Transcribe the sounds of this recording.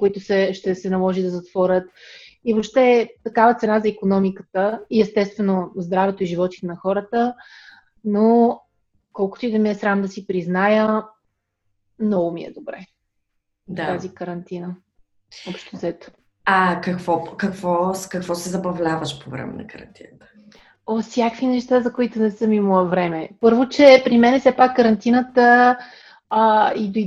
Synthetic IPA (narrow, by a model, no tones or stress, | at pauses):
koit̪ʊsɛʃt̪ɛsɛnɐlˠɔʒid̪ɐzɐt̪v̥ɔɾʲət̪ivopʃt̪ɛt̪ɐkavət̪sɛnazɐikonɔmikə̥t̪əiɛst̪ɛst̪vɛnozd̪ɾavɛt̪oiʒivɔt̪i̥t̪ɛnɐxɔɾət̪ə | no | kɔlˠkʊt̪ʊid̪ɐmiɛsɾamd̪ɐsipɾiznajə | mnɔɡʊmiɛ̰d̪obɾɛ | d̪at̪azikəɾɐnt̪inə | ɔpʃt̪ozɛt̪ | akɐkvɔkɐkvɔkɐkvɔsɛzɐbɐvlʲavəʃpovɾɛ̰mɛ̰nɐ̰kɐɾɐ̰nt̪ʰinət̪ə̥ | osʲjakvinɛʃt̪azɐkoit̪ʊnɛsɤmiməvɾɛmɛpɤɾvot͡ʃɛpɾimɛnɛfsɛpakːəɾɐnt̪inət̪ə | id̪oi